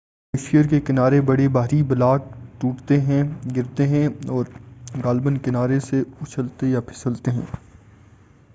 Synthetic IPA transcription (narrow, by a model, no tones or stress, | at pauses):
ɪʃijəɾkekɪnaːɾebɐɽebaːɾibɐlaːʈ̚ʈuːʈt̪eɦɛ̃ɡɪɾt̪eɦɛ̃ɔːɾɡaːlbənkɪnaːɾeseʊt͡ʃʰəlt̪ejapʰɪ̥səlt̪eɦɛ̰̃ː